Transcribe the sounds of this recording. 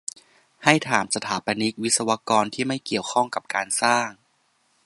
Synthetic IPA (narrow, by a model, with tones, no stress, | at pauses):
ha˥˩jt̪ʰaː˩˦msa˧t̪ʰaː˩˦pa˧ni˦˥k̪̚wi˦˥t̪̚sa˧wa˦˥kɔː˧nt̪ʰiː˥˩ma˥˩jki˨˩əwkʰɔ˥˩ŋka˨˩p̚kaː˧nsaː˥˩ŋ